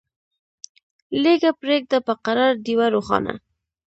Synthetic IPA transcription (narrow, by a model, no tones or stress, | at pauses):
leɡapɾek̚d̪apəqaɾɑɾd̪iwaɾoχɑ̰na̰